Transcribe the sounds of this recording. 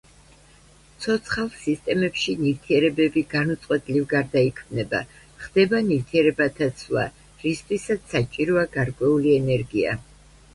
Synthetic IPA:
t̪sʰɔt̪sʰχalˠsist̪ʼɛmɛpʃiniɾt̪ʰiɛɾɛbɛbiɡ̥anut̪sʼqʼwɛt̪ʼlivɡaɾd̪aikʰmnɛba̰ | χd̪̥ɛbaniɾt̪ʰiɛɾɛbat̪ʰat̪sʰlˠa̰ | ɾist̪ʰʼwisat̪sat͡ʃʼiɾɔaɡaɾkʼwɛuliɛnɛɾɡia̰

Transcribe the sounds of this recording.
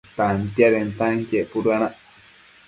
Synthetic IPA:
t̪ant̪jaɾent̪aŋkeʔpuɾuanaʔ

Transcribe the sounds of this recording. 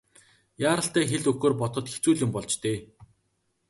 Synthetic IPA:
jaːɾə̆ɬt̪æːxeɮɵxoːrpɔt̪ɞ̆t̪xe̥t͡suːɮjʊmpɔɮt͡ɕt̪eː

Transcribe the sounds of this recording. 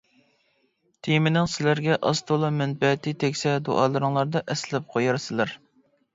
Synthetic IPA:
t̪ʰijmɪnɪŋsɪlæɾɡʲɛʔɑst̪ʰolˠɑmɛnbɛt̪it̪ʰɛkʲsɛd̪o̰ʔɑːlˠɨɾɨŋlˠɑɾd̪ɑʔɛslɪp̚qʰojɑɾsɨlæɾ

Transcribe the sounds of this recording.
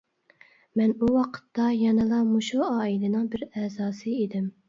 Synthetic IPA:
mɛnuwɑqʰə̥t̪ːɑjɑnɨlˠɑmuʃuɑːilɪnɪŋbɪɾɛzɑːsɨid̪ɪm

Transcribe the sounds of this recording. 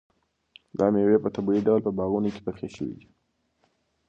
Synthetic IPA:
d̪ɑmewepət̪abuiɖawlpəbɑɣunoke̥pəɾxḛʃəwḭd̪i

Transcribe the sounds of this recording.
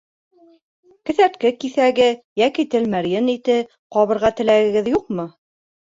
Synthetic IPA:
kɘ̆θæɾt̪kɘkiθæɡɘjækit̪ɘlmæɾjɘnit̪ɘ | qɑβɤ̆ɾʁɑt̪ɘ̆læɡɘ̆ɡɘðjuq̚mɤ

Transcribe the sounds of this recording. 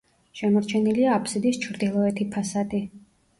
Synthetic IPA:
ʃɛmɔɾt͡ʃʰɛniliaːpʰsid̪ist͡ʃʰɾd̪ilˠɔɛt̪ʰipʰasad̪i

